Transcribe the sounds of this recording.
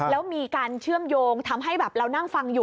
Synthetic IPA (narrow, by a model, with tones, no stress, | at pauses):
lɛː˦˥wmiː˧kaː˧nt͡ɕʰɯ˥˩əmjoː˧ŋt̪ʰa˧mɦa˥˩jbɛː˨˩p̚ɾa˧wna˥˩ŋfa˧ŋjuː˨˩